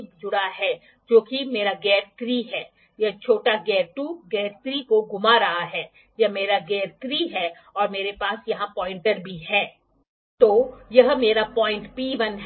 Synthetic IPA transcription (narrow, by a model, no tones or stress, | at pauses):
d͡ʒʊɽaɦɛː | d͡ʒoːkimeːɾaɡɛːɾt̪ɾiɦɛː | jɐɦt͡ʃʰoːʈaɡɛːɾʈuːɡɛːɾt̪ɾikoɡʊmaɾɐɦaɦɛː | jɐmeːɾaɡɛːɾt̪ɾiːɦɛ | ɔːɾmeːɾepaːsjɐɦãpɔːɪ̃ɳʈəɾbʱiɦɛː | t̪oːjɐɦmeːɾapɔ̃ːɪ̃ɳʈpiːʋənɦ